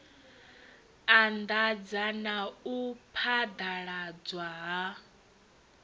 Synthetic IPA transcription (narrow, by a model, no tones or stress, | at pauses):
and̪ad͡zanaupʰad̪aɺad͡zwaɦa